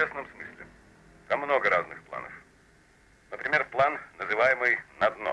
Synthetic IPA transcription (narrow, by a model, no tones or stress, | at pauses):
esnəmsmɨsʲlʲɪ̰ | t̪amːno̞ɡəɾaznɨxplˠa̰nə̰f | nəpɾʲɪmʲe̞rplˠanːəzɨvajɪmɨjnɐd̪no̰